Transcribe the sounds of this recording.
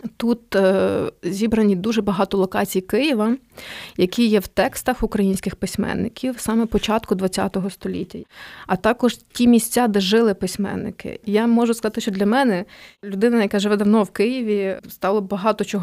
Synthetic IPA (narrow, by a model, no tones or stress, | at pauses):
t̪ut̪ | zʲibɾɐnʲid̪uʒɛbɐɦɑt̪ɔlˠɔkɑt͡sʲijkɪjɪʋɐ | jɐkʲijɛwt̪ɛkst̪ɐxʊkɾɐjinʲsʲkɪxpɪsʲmɛ̰nːɪ̰kʲiwsɑmɛpɔt͡ʃɑt̪kʊd̪ʋɐt͡sʲːa̰t̪ɔɦɔst̪ɔlʲḭtʲːɐɐt̪ɑkɔʒtʲimʲisʲt͡sʲad̪ɛʒɪlˠɪpɪsʲmɛ̰nːɪ̰kɪ̰jamɔʒʊskɐzɑt̪ɪʃt͡ʃɔd̪lʲɐmɛnɛlʲʊd̪ɪnɐjɐkaʒɪʋɛd̪ɐwnɔwkɪjiʋʲist̪ɑlˠɔbɐɦɑt̪ɔt͡ʃɔɦ